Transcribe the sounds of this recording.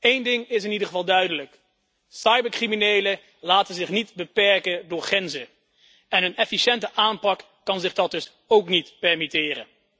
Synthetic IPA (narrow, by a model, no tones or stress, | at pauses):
ejndɪŋɪs̬ɪnidəχəvɑlˠdœɥdələk | sɑjbəɹkriminejlə | laːtənzɪχnitbəpɛɹkədʊːɹχrɛnzə | ɛnənɛfiʃɛntəʔaːmpɑkːɑnzɪχdɑt̚dɵs | owknitpɛɹmitɪːrə̰